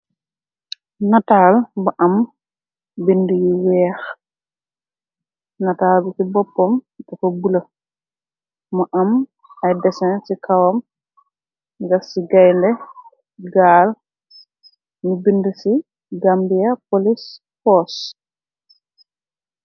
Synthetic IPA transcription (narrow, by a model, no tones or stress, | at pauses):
nataːlbɐʔɐm | bindəjiwɛːx | nataːlbisibɔpːɔmtɛkɔbulɐ | mɐʔɐm | ɐjdɛsɛnsikʰawɐm | ɡɐksiɡajndɛ | ɡaːl | nibindəsi | ɡambijapolis | fɔs